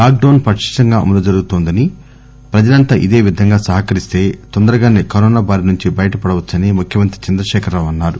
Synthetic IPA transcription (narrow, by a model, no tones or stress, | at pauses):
laːk̚ɖɐwnpɐʂi̥ʂɐŋɡaːɐ̰mɐlɐd͡ʒɐɾuɡut̪oːnd̪ɐni | pɾɐd͡ʒɐlɐnt̪aːʔid̪eːʋid̪ʱɐŋɡaːsɐɦɐkɐɾist̪e̞ːt̪ɔnd̪ɐɾɐɡaːneːkɐɾɔːnaːbaːɾinuɲt͡ʃibɐjɐʈɐpɐɽɐʋɐt͡ʃːɐnimukʰjɐmɐnt̪i̥t͡ʃɐnd̪ɾɐʃɛːkʰɐɾloːɐnːaːɾu